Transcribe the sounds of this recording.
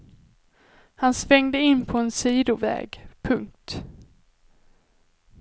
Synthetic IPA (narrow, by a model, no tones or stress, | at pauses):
hansvɛŋd̪əɪnːpʰɔɛnsiːd̪ʊvɛ̰ːɡpʰɵŋk̚t̪